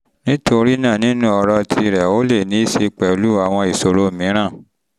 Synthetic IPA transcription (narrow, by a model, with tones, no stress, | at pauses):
nĩ˦to˧ɾi˦nãː˦˨nĩ˦nũ˦ɔ˧ɾɔ˧tʰi˧˨ɾɛ˨o˦le˦˨nĩ˨˦i˦˨ʃe˧k͡pɛ˨o˨˦lu˦a˦˨w̃ɔ̃˧i˨so˨ɾo˧˨mĩ˨˦ɾ̃ã˦˨